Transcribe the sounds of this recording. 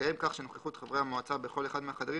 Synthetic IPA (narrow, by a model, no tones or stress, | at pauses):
ajemkaχʃenoχleχut̪χavʁehamoat͡sabeχo̞le̞χad̪meaχad̪aʁi